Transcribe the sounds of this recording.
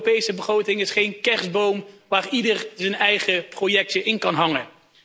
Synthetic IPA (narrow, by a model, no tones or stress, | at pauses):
pejsəbəχrowtɪŋɪsχejnkɛɹsbowmʋaːridəɹzənɛjχəprojɛk̚təʔɪnkɑnɦɑŋə